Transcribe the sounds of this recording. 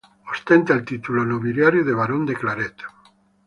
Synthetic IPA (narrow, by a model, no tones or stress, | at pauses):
ost̪ent̪aelt̪it̪ulonoβiljaɾjoðeβaɾond̪eklaɾet̪ḁ